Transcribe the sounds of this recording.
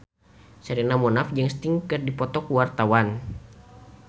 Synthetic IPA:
sɛɾinamɔnafd͡ʒɨŋst̪iŋkɨrdipɔt̪ɔkuwart̪awan

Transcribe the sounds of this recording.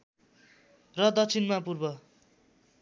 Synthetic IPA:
rʌd̪ʌt͡sʰinmapurbʌ

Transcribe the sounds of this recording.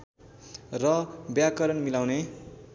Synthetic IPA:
rʌbjakʌɾʌnmilawne

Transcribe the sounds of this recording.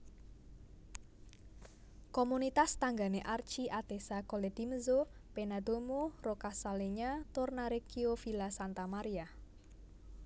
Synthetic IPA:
komunit̪ast̪aŋɡa̤neʔart͡ʃiʔad̪̥esakoled̪̥iməzopenad̪omorokasaleɲat̪ʊrnaɾekiofilasant̪amaɾija

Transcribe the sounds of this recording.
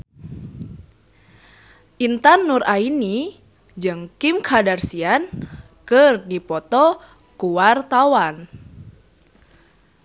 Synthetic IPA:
ʔint̪anːuraini | d͡ʒɨŋkimkʰadarsian | kɨrdipɔt̪ɔ | kuwart̪awan

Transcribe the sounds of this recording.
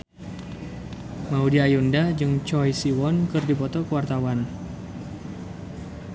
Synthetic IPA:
maudiajundad͡ʒɨŋt͡ʃɔjsiwɔnkɨrdipɔt̪ɔkəwart̪awan

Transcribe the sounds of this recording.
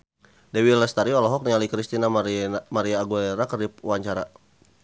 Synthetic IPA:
dɛwilɛst̪aɾiɔlɔɦɔk̚niɲalikɾist̪inamaɾiaːɡulɛɾakəripwaɲt͡ʃaɾa

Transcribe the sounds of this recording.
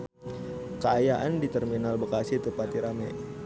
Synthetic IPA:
kəajaʔandit̪ərminalbəkasiht̪əpat̪iɾamɛ

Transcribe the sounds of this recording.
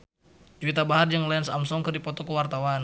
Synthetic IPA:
d͡ʒwit̪abaɦarjaŋlainsamsɔŋkərdipɔt̪ɔkəwart̪awan

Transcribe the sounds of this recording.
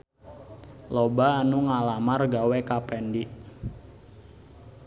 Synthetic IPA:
lɔbaːnuŋalamarɡawekapɛndiʔ

